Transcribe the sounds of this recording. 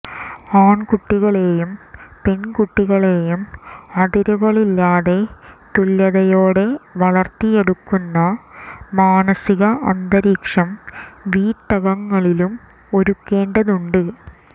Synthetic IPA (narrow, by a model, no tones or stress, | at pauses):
aːɳkuʈːiɣɐɭe̞ːjumpe̞nkuʈːiɣɐɭe̞ːjumɐðiɾuɣɐɭilːaːðe̞t̪ulːɐðɐjoːɽe̞ʋɐɭɐrt̪ːije̞ɽukːunːɐmaːnɐsiɣɐʔɐnd̪ɐɾiːkʂɐmʋiːʈːɐɣɐŋːɐɭilum | o̞ɾukːe̞ːɳɖɐðuɳɖɨ